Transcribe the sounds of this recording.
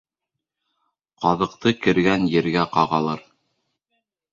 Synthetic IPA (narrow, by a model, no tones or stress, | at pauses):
qɑðɤ̆q̚t̪ɤkɘ̆ɾɡænjɘ̆ɾɡæqɑʁɑlˠɤɾ